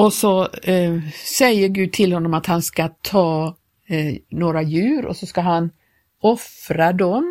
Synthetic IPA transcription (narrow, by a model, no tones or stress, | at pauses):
ɔsɔ | sɛjːəɾɡʉ̟ːd̪̚t̪ʰɪlhɔnːɔmat̪hanskat̪ʰɑː | noːɾajʉ̟ːɾɔ̰sɔskaɦan | ɔfɾad̪ɔm